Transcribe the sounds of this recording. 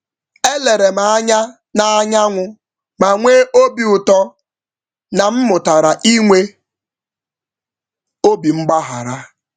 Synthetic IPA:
e˦le˨ɾe˨ma˨a˦ɲa˦ | na˨a˦ɲa˦ŋʷʊ˦ | ma˨ŋʷeː˦ʔo˦bi˨ʊ˨tɔ˦ | na˨m̩˦mʊ˨ta˨ɾa˨ʔi˦ŋʷe˦ | o˦bi˨ŋ͡m̩˦ɡ͡ba˦ɦa˨ɾa˦

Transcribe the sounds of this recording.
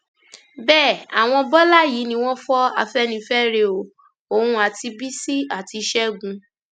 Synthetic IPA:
bɛː˦˨a˨w̃ɔ̃˧bɔ˦la˦ji˨˦nĩ˧w̃ɔ̃˦fɔ˦a˧fɛ˦nĩ˧fɛ˦ɾe˧o˨ | o˨hũ˧a˨ti˧bi˦si˦a˨ti˧ʃɛ˦ɡũ˨˧

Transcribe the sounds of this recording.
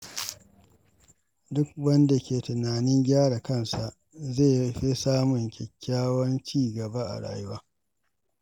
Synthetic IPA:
dʊ˦k̚wɐ˦nda˨kʲeː˨tʊ˨naː˨nɪ˦ŋɡʲaː˦ɽa˨kɐ˦˨nsa˨ʔ | zeː˦˨ɸi˦saː˦mʊ˨ŋkʲɛ˨kʲʰːaː˦wɐ˦nt͡ʃiː˦˨ɡɐ˨ba˦ʔa̰˨ɽa̰ː˨jʊ˦waː˦

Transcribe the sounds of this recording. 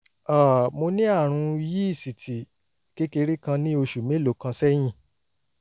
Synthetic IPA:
a˨mo˧nĩ˦a˦˨ɾ̃ũ˧i˧ji˦i˦˨si˨tʰi˨ | ke˦ke˧ɾi˦kã˧nĩ˦o˧ʃu˨mẽ˨˦lo˨˦kã˧sɛ˦j̃ĩ˦˨

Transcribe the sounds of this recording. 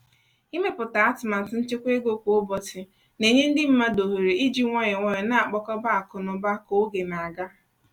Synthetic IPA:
i˦me˦pʊ˨ta˨a˦tʊ˨ma˨n̩˨tʊ˦n̩˦t͡ʃe˦kʷe˦ɡo˦kʷo˨ʊ˦bɔ˦tɪ˨ | ne˨ɲe˦n̩˦dɪ˦m̩˦ma˦do˨ɦe˨ɾe˨i˦d͡ʒi˦ŋʷɔ˦ɲe˨ŋʷɔ˦ɲe˨na˦a˨k͡pɔ˦kɔ˦ba˦a˨kʊ˨nʊ˨ba˦ko˨˦ɡe˨na˨a˨ɡa˦

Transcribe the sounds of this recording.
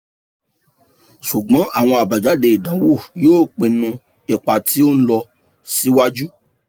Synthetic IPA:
ʃu˨ɡ͡bɔ̃˨˦ʔa˦˨w̃ɔ̃˧a˨ba˨d͡ʒa˨˦de˧i˨dã˨˦wo˦˨joː˦˨k͡pe˧nũ˧ | ɛ˨k͡pa˨tʰi˨˦o˦n̩˦lɔ˧ | si˦wa˦d͡ʒu˦

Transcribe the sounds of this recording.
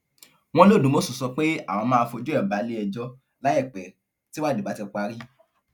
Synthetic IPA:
w̃ɔ̃˦lo˦˨dũ˨˦mo˦su˦˨sɔ˧k͡pe˦a̰˦˨w̃ɔ̃˧mãː˦˧fo˧d͡ʒu˦ɛ˦˨ba˨˦le˦ɛ˧d͡ʒɔ˦ | la˨˦ɛ˦˨k͡pɛ˨ | ti˦wa˦˨de˨ba˨˦tɛ˧k͡pa˧˦ɾi˦

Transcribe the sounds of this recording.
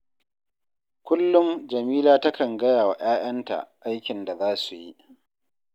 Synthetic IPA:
kʷʊ˦lːʊ˦ŋd͡ʒɐ˨miː˦laː˦tɐ˦kɐ˨ŋɡɐ˦jaː˨wa˨ʔaː˦ʔɐ˦nta̰˨ʔa˦jkʲɪ˨nda˨zaː˦su˨ji˦

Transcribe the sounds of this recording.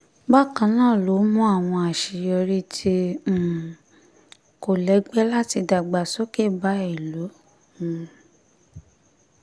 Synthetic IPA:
ba˦˨kã˧nãː˦˨lo˨˦mũ˦a˦˨w̃ɔ̃˧a˨ʃi˨jɔ˧ɾi˦tʰĩ˧˨ | ko˨lɛ˨˦ɡ͡bɛ˦la˦ti˧da˨ɡ͡ba˨so˦ke˦˨ba˨˦i˦˨lõ˨˦˨

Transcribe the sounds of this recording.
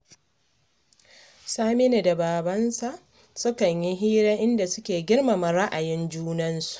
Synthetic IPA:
saː˦mɪ˦ne˨da˨baː˨bɐ˦nsa˨ʔ | sʊ˦kɐ˨ɲji˦ɦiː˦ɾa˦ʔɪ˦nda˨sʊ˦kʲeː˨ɡʲɪ˦rma˨mɐ˨ɾa˦ʔa˨jɪ˦nd͡ʒuː˦nɐ˦nsu̥˨ʔ

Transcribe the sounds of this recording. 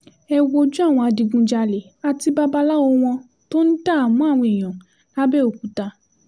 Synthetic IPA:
ɛ˧wo˧d͡ʒũ˦a˦˨w̃ɔ̃˧a˧di˧ɡũ˧d͡ʒa˧le˨˦a˧ti˧ba˦ba˧la˦wo˧w̃ɔ̃˧ | to˦n̩˦da˦˨mũ˨˦a˦˨w̃ɔ̃˧i˨j̃ɔ̃˨ | ka˦bɛ˦o˨ku˨˦ta˧

